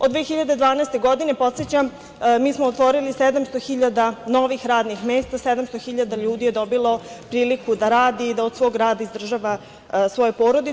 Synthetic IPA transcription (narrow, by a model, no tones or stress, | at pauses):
od̪vʋeːxiʎad̪e̞d̪ʋaːnaest̪e̞ɡo̞d̪ine̞po̞t̪set͡ɕam | miːsmoot̪ʋo̞ɾilised̪amst̪oxiʎad̪ano̞ʋixɾaːd̪nixme̞ːst̪ased̪amst̪oxiʎad̪aʎuːd̪ije̞d̪o̞bilˠo̞pɾiːlikud̪aɾaːd̪iːd̪aod̪sʋo̞ːɡɾaːd̪aizd̪r̩ʒaʋa | sʋo̞jepoːɾo̞d̪i